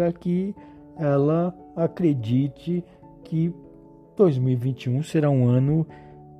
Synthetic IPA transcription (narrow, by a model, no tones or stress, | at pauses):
ɐkɪ | ɛlɐ | akɾed͡ʒit͡ʃɪ | kʰɪ | d̪̥ojzmiwivĩnt͡ʃiũseɾaũɐ̃nʊ